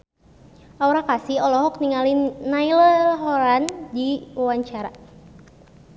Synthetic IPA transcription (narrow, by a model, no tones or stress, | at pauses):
ʔauɾakasiɔlɔɦɔkniŋalinːaillaɦɔɾandiwaɲt͡ʃaɾa